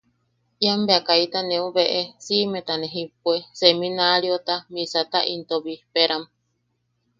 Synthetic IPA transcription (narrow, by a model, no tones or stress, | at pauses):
iambeakait̪anẽũβeʔesimẽt̪anẽɦip̚uesemĩnaɾiot̪amisat̪aʔint̪oβipeɾam